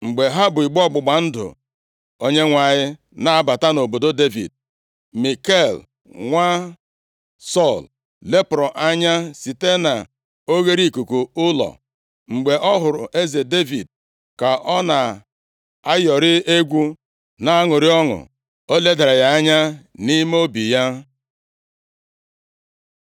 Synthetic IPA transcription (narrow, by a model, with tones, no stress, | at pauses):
ŋ͡m̩˨ɡ͡be˨ɦa˦bʊ˨i˨ɡ͡bɔ˦ɡ͡bʊ˨ɡ͡ba˨n̩˦dʊ̰˨ | o˦ɲe˦ŋʷa˨ɲɪ˦ | na˨a˨ba˨ta˦no˨bo˨do˦de˦vḭ˨d̚ | mi˨ke˦˨l | ŋʷa˦ | sɔ˦˨l | le˦pɾɔ˨ʔa˦ɲa˦si˨te˦na˨ | o˦ɣe˦ɾi˦˨ku˨ku˨ʊ˦lɔ̰˨ | ŋ͡m̩˨ɡ͡be˨ʔɔ˦ɦʊ˨ɾʊ̰˨ʔe˦ze˨de˦vi˨d̚ | ka˨ʔɔ˦na˨ | a˦jɔ˨ɾɪ˦e˦ɡʷu˦ | na˦a˦ŋʊ˨ɾɪ˦ɔ˦ŋʊ̰˨ | o˦le˦da˨ɾa˨ja˦a˦ɲa˦ni˦me˦o˦bi˨ja˦